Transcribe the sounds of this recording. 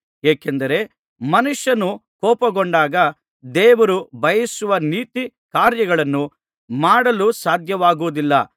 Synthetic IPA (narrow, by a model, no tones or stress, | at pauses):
eːkend̪ɐɾe̞ | mɐnuʂjɐnukɔːpɐɡoɔɳɖaːɡɐ | d̪ɛːʋɐɾubʱɐjisuʋɐniːt̪i | kaːɾjɐɡɐɭɐnːu | maːɽɐlusaːd̪ʱjɐʋaːɡuʋud̪ilːɐ̰